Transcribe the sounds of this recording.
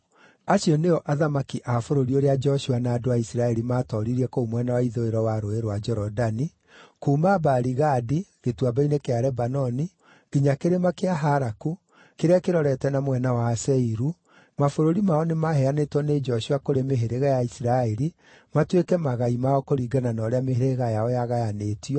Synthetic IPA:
aɕiɔneɔʔaðamakiʔafoɾoɾioɾead͡ʒɛɔʃuanaːdoaisiɾaɛɾimaːtɔɾiɾiɛkoomwɛnawaiðoeɾɔwaɾoeɾwad͡ʒɛɾɔdani | kuːmabaɾiɣadiɣetwabainekeaɾɛbanɔni | ɣ̥iɲakeɾemakeaɦaɾaku | keɾeakeɾɔɾɛtɛnamwɛnawasɛiɾu | mafoɾoɾimaɔnemahɛanetwɔned͡ʒɔɕuakoɾemeɦeɾeɣajaisiɾaɛɾi | matwekɛmaɣaimaɔkoɾiːɡananɔːɾeameheɾeɣajaɔjaɣajanetiɔ

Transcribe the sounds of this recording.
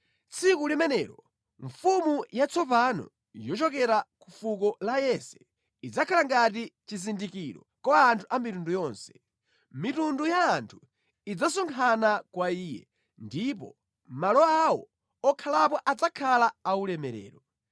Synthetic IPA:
t͡sʰikulimɛnɛːɾɔ | ɱfumujat͡sʰɔpanɔ̰ | jɔt͡ʃɔkɛɾakufuk̬ɔlajɛsɛ̥ | id͡zakʰalaŋɡatit͡ʃizindikiɾɔ | kɔantʰuʔamitundujɔnsɛ̥ | mitundujaːntʰu̥ | id͡zasɔŋkʰanakwaiːjɛ̰ | ndipɔ̰ | malɔawɔ | ɔkʰalap̬ɔʔad͡zakʰalaːulɛmɛɾɛ̰ːɾɔ

